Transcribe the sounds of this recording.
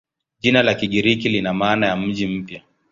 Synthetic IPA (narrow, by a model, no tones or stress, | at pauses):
ʄinalakiɠiɾikilinamaːnajam̩ʄim̩pja